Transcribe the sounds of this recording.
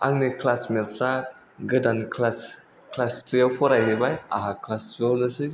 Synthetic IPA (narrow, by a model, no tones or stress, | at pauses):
a̰ŋnikʰlasmelta | ɡɯdankʰlas | kʰlastijawpʰɔɾajɦebaja̰ɦakʰlaszonɯsɯj